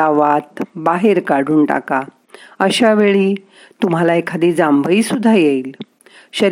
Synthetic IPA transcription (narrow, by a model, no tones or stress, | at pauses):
aʋat̪baɦeɾkaɽ̤uːnʈa̰ka | əɕaʋeɭiː | t̪um̤alaekʰad̪iːd͡zambʱəiːsud̪ʱːajel | ɕəɾ